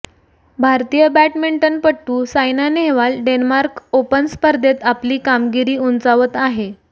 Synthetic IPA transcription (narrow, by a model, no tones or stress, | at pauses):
bʱaɾt̪ijəbæʈmiɳʈənpəʈːuːsajnaneɦʋalɖenmaɾkopənspəɾd̪ʱet̪apliːkamɡiɾiːunt͡saʋət̪aɦe